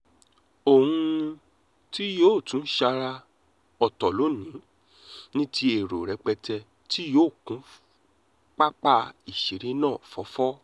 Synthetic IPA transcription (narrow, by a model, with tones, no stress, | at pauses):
o˨hũ˧ | ti˦joː˦˨tũ˨˦ʃa˧ɾa˧ | ɔ˧tɔ˨lo˨˦nĩ˨˦ | nĩ˦tʰi˧e˨ɾo˨ɾɛ˨˧˦k͡pɛ˧tɛ˧ | ti˦joː˦˨kũ˨˦ | k͡pa˦k͡pa˧i˨ʃe˨˦ɾi˨˦nãː˦˨fɔ˨˦fɔ˦